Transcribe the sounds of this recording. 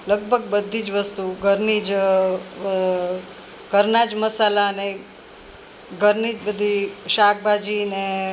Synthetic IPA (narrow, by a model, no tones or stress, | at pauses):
ləɡ̚bʱəɡ̚bəd̪ʱid͡ʒʋəst̪uɡʱəɾnid͡ʒ | ɡəɾnad͡ʒməsalaəne | ɡʱəɾnid͡ʒbəd̪ʱiʃak̚bʱad͡ʒine